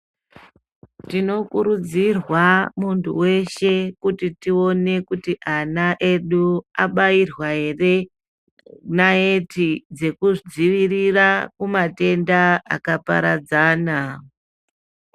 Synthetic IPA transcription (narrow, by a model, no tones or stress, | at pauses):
tino̞kuɾud͡zirwamuntʰṵwe̞ʃe̞kutitio̞ne̞kutiʔanaʔe̞ɗuaɓairwaɦe̞re̞ | nae̞tid͡ze̞kuʐid͡ziʋirirakumate̞ndaa̰kapa̰ɾad͡zaːna